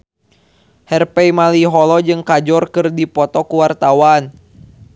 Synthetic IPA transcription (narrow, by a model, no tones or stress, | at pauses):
hɛrpɛjmaliɦɔlɔd͡ʒɨŋkad͡ʒɔrkɨrdipɔt̪ɔkuwart̪awan